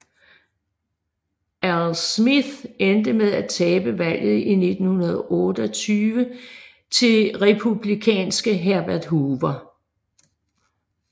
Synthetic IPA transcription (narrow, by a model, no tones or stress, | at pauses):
ælsmiðend̥əmeð̞ˠæt͡sʰɛːb̥əʋæl̰ð̩ˠine̝d̥n̩hunɐð̞ˠʔɔ̽ːd̥əɒt͡sʰyːʋə | t͡sʰe̝ʁepʰub̥likʰɛ̰ːnsɡ̥əɦæɐb̥æɐd̥ɦuːʋɐ